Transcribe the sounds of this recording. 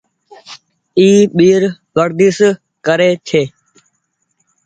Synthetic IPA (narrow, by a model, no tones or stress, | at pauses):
iːɓiːɾ | ʋəɾd̪iːs | kəɾeːt͡ʃʰeː